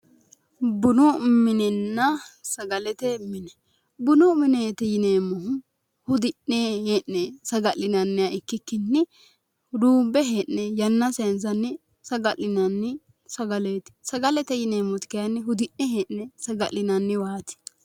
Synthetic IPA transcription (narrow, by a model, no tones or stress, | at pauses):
bʊnʊmɪnɛnːɐsɐɡɐlɛt̪ɛmɪnɛ | bʊnʊmɪneːt̪ɛjɪneːmːɔɦʊ | hʊd̪ɪnːeheːnːɛsɐɡɐlɪnɐnːɪjaɪkːɪkːɪnːɪ | d̪uːbɛɦeːʔnɛjɐnːɐsɛns̬ɐnːɪ | sɐɡɐlɪnɐnːɪ | sɐɡɐleːt̪ɪ̥sɐɡɐlɛt̪ɛjɪneːmːɔt̪ɪ̥kɛjɐnːɪɦʊd̪ɪnːɛheːnnɛsɐɡɐlɪnɐnːɪwaːt̪ɪ̥